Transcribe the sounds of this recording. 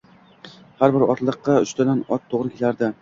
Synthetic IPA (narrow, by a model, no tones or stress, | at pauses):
haɾbɪɾɒ̰t̪lˠɨqːɑʊʃt̪ʰad̪anɒt̪ʰːoʁɾɪkʲʰelaɾd̪ɪ